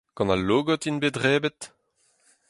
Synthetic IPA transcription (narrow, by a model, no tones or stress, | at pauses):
kɑ̃naloːɡɔt̪inbedʁɛːbɛt̪